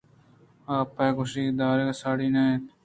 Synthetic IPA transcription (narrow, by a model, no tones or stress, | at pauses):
aːpːakʊʃiːd̪aːɾeksaːɽiːnaːẽːt̪